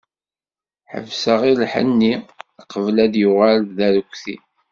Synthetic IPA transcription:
ħə̰vsəʁilħə̰nːiqəvlæðjʊʁalðæɾkʷθḭ

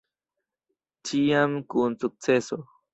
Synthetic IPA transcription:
t͡ʃijamkunt͡sʊk̚t͡seso

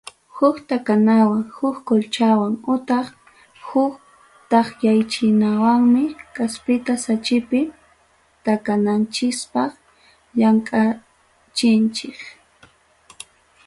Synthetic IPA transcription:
hʊkt̪akanawaŋhʊkkolt͡ʃawaŋʊt̪ɑχ | hʊk | t̪ɑχjajt͡ʃɪnawaŋmɪkaspɪt̪asat͡ʃɪpɪ | t̪akanant͡ʃɪspɑχ | ʎaŋkʼa | t͡ʃɪnt͡ʃɪk

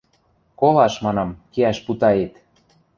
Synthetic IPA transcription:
kolɑʃmɑnɑmkeæʃput̪ɑet̪

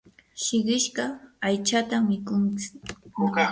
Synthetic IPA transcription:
ʃɪɢɪʃɢɑajt͡ʃat̪amːɪkʊnt͡sɪ̥

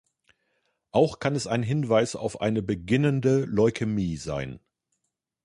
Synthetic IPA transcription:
ʔaʊxkʰanɛsaɪnɦɪnvaɪsa̰ʊfʔa̰ɪnəbəɡɪnəndəlɔʏkʰəmiːza̰ɪn

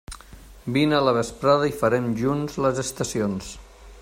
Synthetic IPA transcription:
binələβ̞əspɾaðəifəɾɛmʒunzləzəst̪əsions

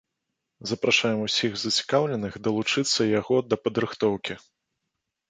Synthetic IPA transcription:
zɐpɾaʂajɛmusʲiɣzɐt͡sʲi̥kawlʲɛnɨxd̪ɐlˠut͡ʂɨt̪sːɐjaɣɔd̪ɐpɐd̪ɾɨxt̪ɔwkʲi

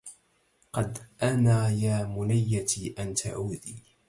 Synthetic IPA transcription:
qɑd̪ʔanaːjaːmʊnajːat̪iʔant̪a̰ʕuːðiː

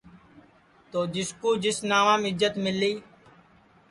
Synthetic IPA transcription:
t̪oːd͡ʒɪskuːd͡ʒɪsnaːʋãːmɪzət̪mɪlːiː

